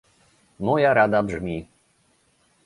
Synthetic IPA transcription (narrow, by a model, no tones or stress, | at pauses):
mɔjaɾad̪abʐmʲi